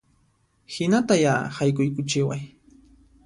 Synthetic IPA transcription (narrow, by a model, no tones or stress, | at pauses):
hɪnat̪ajahajkʊjkʊt͡ʃɪwaj